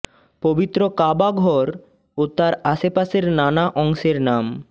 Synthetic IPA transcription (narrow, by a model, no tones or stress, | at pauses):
pobit̪ːɾokabaɡʱɔɾ | ot̪aɾaʃepaseɾnanaʔɔŋʃeɾnam